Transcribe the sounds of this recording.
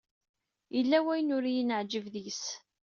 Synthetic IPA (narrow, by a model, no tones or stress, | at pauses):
jəlːæwæjnʊɾijənəʕd͡ʒəvðis